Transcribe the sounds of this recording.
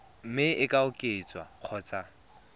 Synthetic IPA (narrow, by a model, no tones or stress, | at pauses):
m̩mɪɪkʼaʊkʼet͡sʼwa̰q͡χʰɔt͡sʼa